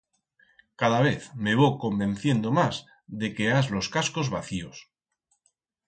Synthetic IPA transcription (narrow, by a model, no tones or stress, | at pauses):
kaðaβe̞θme̞βoko̞mbẽ̞nθje̞nd̪o̞maz | ðe̞ke̞azlo̞skasko̞zβaθio̞s